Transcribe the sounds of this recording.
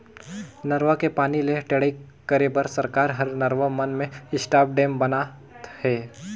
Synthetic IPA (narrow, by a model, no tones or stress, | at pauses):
nəɾʋakepaːnileʈeɽəi | kəɾebəɾsəɾkaːɾɦɐɾnəɾʋamɐnmẽɪsʈaːp̚ɖẽːmbɐna | t̪hɛː